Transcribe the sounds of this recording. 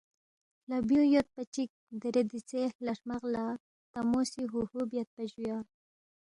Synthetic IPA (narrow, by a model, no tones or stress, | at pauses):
labjujot̪̚pat͡ʃik̚d̪əɾed̪it͡sehlaʂmaɣla | t̪amosiɦuhubjat̪̚pad͡ʒuja